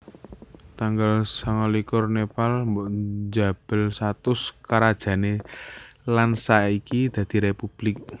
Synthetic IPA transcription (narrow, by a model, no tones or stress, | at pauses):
t̪aŋɡalsaŋalikʊrnepalmbɔʔd͡ʒa̤b̥ə̤lsat̪ʊskaɾad̥ʒ̥ä̤ne | lansaikid̪̥ä̤d̪̥i̤ɾepub̥lɪk̚